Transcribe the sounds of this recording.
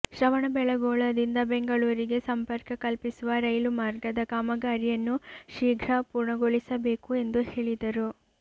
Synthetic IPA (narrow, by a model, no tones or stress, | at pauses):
ʃɐʋɐɳɐbɛɭɐɡɔːɭɐd̪ind̪ɐbeŋɡɐɭuːɾiɡe̞sɐmpɐɾkɐkɐlpisuʋɐɾɐjlumaːɾɡɐd̪ɐkaːmɐɡaːɾijɐnːuʃiːɡʱɾɐpuːɾɳɐɡoɭisɐbe̞ːkue̞nd̪uhe̞ːɭid̪ɐɾu